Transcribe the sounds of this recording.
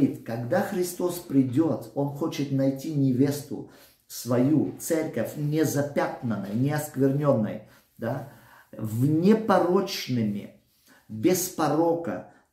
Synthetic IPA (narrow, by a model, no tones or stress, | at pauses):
it̪kɐɡd̪axɾʲɪst̪o̞spɾʲɪdʲo̞t̪o̞nxot͡ɕɪt̪nɐjtʲinʲɪvʲe̞st̪ʊ̰ | svɐjut̪sɛrʲkəfʲnʲɪzɐpʲat̪nənːə̰jnʲɪɐskvʲɪrnʲo̞nːə̰j | d̪a | vnʲepɐɾot͡ʃnɨmʲɪ̰ | bʲɪspɐɾokə̰